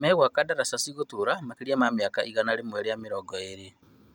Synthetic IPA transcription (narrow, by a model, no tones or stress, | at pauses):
mɛɣwakadaɾasasiɣotuɾamakeɾiamamjakaʔiɣanaɾemwɛɾejamiɾɔɡɔeɾe